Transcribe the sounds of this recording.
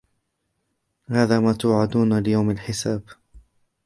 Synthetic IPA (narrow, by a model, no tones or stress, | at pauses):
haːðaːmaːt̪ʊːʕad̪uːnalɪjawmalħɪsaːb